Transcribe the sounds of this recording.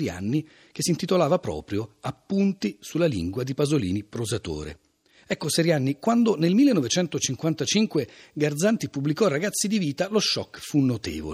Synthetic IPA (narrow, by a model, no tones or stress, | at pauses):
ɾja̰nːi | k̟esːint̪it̪olaːvapɾɔ̰ːpɾjoapːunt̪isulalḭŋɡwad̪ipazolḭːnipɾozat̪o̰ːɾḛ | ɛkːoseɾjanːikwand̪onelmilːenːɔvet͡ʃɛnt̪ot͡ʃiŋkwant̪at͡ʃiŋkweɡard̪zant̪ipubːlikɔrːaɡat̪sːid̪iviːt̪aloʃːɔ̰kːfunːot̪ḛːvo̰